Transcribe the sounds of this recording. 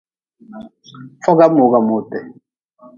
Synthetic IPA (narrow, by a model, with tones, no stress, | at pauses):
fɔ˦ɡa˦mo˨˦ɡa˦˨mo˦˨tɛ˨